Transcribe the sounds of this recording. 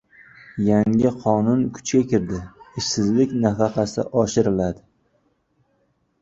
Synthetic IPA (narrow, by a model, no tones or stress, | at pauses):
jaŋɪqʰɒnʊnkʰʊ̥t͡ʃkʲakʲɪɾd̪ɪɪʃsɪzlɪkʲnafɑqɑsɪ̰ʔɒʃɪɾɪlad̪ɪ